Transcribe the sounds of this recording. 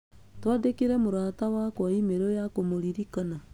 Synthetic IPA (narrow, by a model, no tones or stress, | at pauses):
twaːdekiɾemoɾaːtawakwaimeɾojakomoɾiɾikana